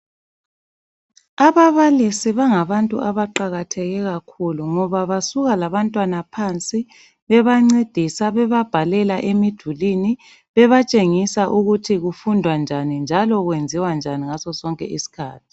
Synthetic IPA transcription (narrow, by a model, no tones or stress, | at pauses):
aβaβalisiβaŋaβantʼuʔaβaǃaɣatʰɛɣɛɣakʰuluŋɔβaβasuɣalaβantʼwanapʰant͡sʼi | βɛβaŋ͡ǀed̥ʱisaβɛβab̥ʱalɛlaʔemid̥ʱulini | βɛβat͡ʃʼeŋisaʔuɣutʰiɣufundʱwand͡ʒʱanind͡ʒʱalɔɣwend͡zʱiwand͡ʒʱaniŋasɔsɔŋkʼɛ̰ʔisi̥kʰaːtʰi̥